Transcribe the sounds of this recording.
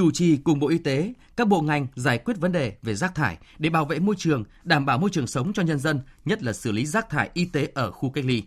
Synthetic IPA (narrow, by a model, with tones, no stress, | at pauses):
t͡ɕu˧˩t͡ɕi˨˩kʊ˨˩ŋ͡mɓo̰˧˨ʔi˧t̪e˨˦kaː˦˥k̚ɓo̰˧˨ŋa˨˩jŋ̟zaː˧˩jkwi˦˥ət̚və˨˦nɗe˨˩ve˨˩zaː˦˥k̚t̪ʰaː˧˩jɗe˧˩ɓaː˧˩wvḛ˧˨mo˧jt͡ɕɨ˨˩əŋ | ɗaː˧˩mɓaː˧˩wmo˧jt͡ɕɨ˨˩əŋsə˨˦wŋ͡mt͡ɕɔ˧ɲə˧nzə˧nɲə˦˥t̚laː˨˩sɨ˧˩li˨˦zaː˦˥k̚t̪ʰaː˧˩jʔi˧t̪e˨˦ʔəː˧˩xu˧ka˦˥k̚li˧